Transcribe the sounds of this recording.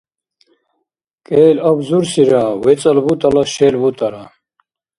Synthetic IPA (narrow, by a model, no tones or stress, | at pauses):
kʼɛːlabzuɾsiɾawɛt͡sʼəlbut̪ʼalaʃɛlbut̪ʼaɾa